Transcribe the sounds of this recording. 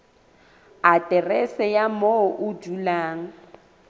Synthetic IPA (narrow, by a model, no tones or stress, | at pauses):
atʼɛrɛsɛjamoʔʊd͡ʒulaːŋ̩